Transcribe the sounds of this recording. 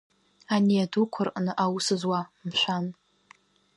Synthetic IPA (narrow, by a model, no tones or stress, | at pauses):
aniadukʷʰʊrqʼnɨʔawusɨzwamʃʷᶣan